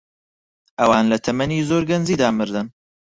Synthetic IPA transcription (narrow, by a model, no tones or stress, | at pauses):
ʔɐwaːnlɐt̪ʰɐmɐniːzoːɾɡɐnziːd̪aːmɨɾd̪ɨn